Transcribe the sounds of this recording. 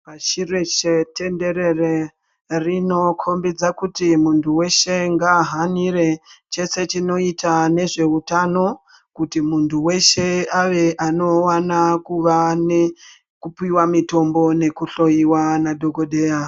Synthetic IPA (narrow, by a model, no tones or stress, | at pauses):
paʃireʃetʰe̞nde̞ɾe̞re | rino̞kʰo̞mbid͡zakutimuntʰuwe̞ʃe̞ŋɡaɦaniɾe̞t͡ʃe̞se̞t͡ʃino̞itʰane̞ʐe̞utano̞ | kutimuntʰuwe̞ʃe̞aʋe̞ʔano̞wanakuʋane | kupiwamito̞mbo̞ne̞kuɬo̞jiwanado̞ɡʱo̞ɗe̞ːja